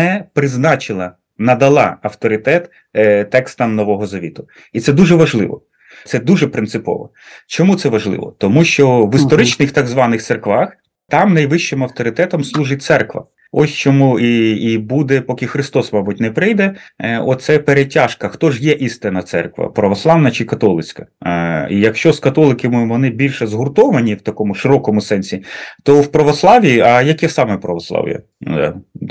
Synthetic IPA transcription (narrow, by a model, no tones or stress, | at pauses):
nɛpɾɪznɑt͡ʃɪlˠɐ | nɐd̪ɐlˠɑ̰ɐwt̪ɔɾɪt̪ɛt̪ | t̪ɛkst̪ɐmnɔʋɔɦɔzɐʋʲḭt̪ʊ | it̪sɛd̪uʒɛʋɐʒlˠɪ̰ʋɔ̰ | t̪sɛd̪uʒɛpɾɪnt̪sɪpɔ̰ʋɔ̰ | t͡ʃɔmut̪sɛʋɐʒlˠɪ̰ʋɔ̰t̪ɔmuʃt͡ʃɔʋist̪ɔɾɪt͡ʃnɪxt̪ɑɡzʋɑnɪxserkʋɑx | t̪ɑmnɐjʋɪʃt͡ʃɪmɐwt̪ɔɾɪt̪ɛt̪ɔmslˠuʒɪtʲt̪sɛrkʋɐ̰ | ɔsʲt͡ʃɔmuiibud̪ɛpɔkʲɪxɾɪst̪ɔsmɑbʊt̚ʲnɛpɾɪjd̪ɛɔtt̪sɛpeɾetʲːɑʃkɐxt̪ɔʒjɛʔist̪ɪnɐt̪sɛ̰rkʋɐ̰pɾɐʋɔslˠɑʋnɐt͡ʃɪkɐt̪ɔlˠɪt͡sʲkɐḭjɐkʃt͡ʃɔskɐt̪ɔlˠɪkemɪʋɔnɪbʲilʲʃɛzɦʊrt̪ɔʋɐnʲiwt̪ɐkɔmʊʃɪɾɔkɔmʊsɛnʲsʲit̪ɔwpɾɐʋɔslˠɑʋʲiɐjɐkɛsɑmɛpɾɐʋɔslˠɑ̰ʋʲḭjɐ̰